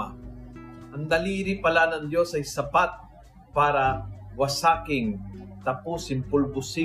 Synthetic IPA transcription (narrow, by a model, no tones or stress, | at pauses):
a | ʔɐŋd̪ɐliːɾɪpɐlanɐŋd̪jo̞sɐjsɐpat̪̚ | paːɾɐwɐsaːkɪŋt̪ɐpusɪnpʊlbʊsɪ